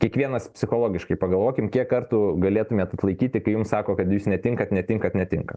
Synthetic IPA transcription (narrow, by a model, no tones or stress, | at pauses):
kʲiɛkʋʲiɛnɐspʲsʲɪxoːlˠoːɡʲɪʃkɐɪpɐɡɐlˠʋoːkʲɪmkʲiɛkːɐrt̪uːɡɐlʲeːt̪ʊmʲɛːt̪ɐt̪lˠɐɪkʲiːt̪ʲɪkɐɪjʊmsɑːkoːkɐt̪juːsnʲɛt̪ʲɪŋkɐt̪nʲɛt̪ʲɪŋkɐt̪nʲɛt̪ʲɪŋkɐ